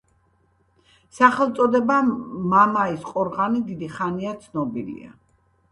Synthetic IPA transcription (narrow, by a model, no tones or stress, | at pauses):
saχɛlˠt̪sʼɔd̪ɛbamamaisqʼɔɾʁanid̪id̪iχaniat̪sʰnɔbilḭa̰